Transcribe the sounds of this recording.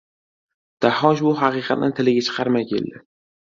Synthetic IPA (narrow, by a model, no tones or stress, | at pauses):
d̪̥ahɒʃ̬bʊɦɑqɨːqʰɑ̰t̪̚nɪt̪ʰɪlɪɡʲat͡ʃʰɨ̥qʰɑɾmakʲʰḛld̪ɪ